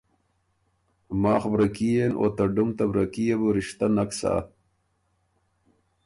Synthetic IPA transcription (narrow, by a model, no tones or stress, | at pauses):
maːxbɾɐkijenʔo̰ːt̪ɐɖumt̪ɐbɾɐkijebuɾiʂt̪anaksa̰